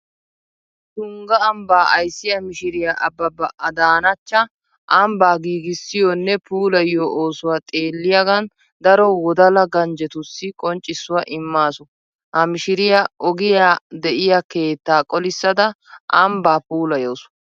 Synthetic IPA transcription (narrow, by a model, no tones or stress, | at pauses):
t̪ʊŋɡɐɐmbaːʔɐjsːɪjɐmɪʃɪɾɪjɐʔɐbːɐbɐʔɐd̪aːnɐt͡ʃːɐ | ʔɐmbaːɡiːɡɪsːɪjɔnːɛpuːlɐjoːʔoːsʊwaːt̪ʼe̞ːlːɪjɐɡɐn | d̪ɐɾɔwɔd̪ɐlɐɡɐnd͡ʒɛt̪ʊsːɪkʼɔnt͡ʃʼɪsːʊwɐʔɪmːaːsʊ | hɐmɪʃɪɾɪjɐʔɔɡɪjaːd̪ɛʔɪjake̞ːt̪ːaːkʼɔlɪsːɐd̪ɐ | ʔɐmbaːpuːlɐjoːs